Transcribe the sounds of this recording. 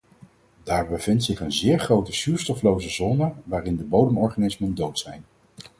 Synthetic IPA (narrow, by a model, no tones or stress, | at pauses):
d̥aːɹbəv̥ɪntsɪχənzɪːɹχrowtəsyːɹstɔflowzəzɔːnəʋaːrɪndəbowdəmɔɹχaːnɪsməndowtsɛjn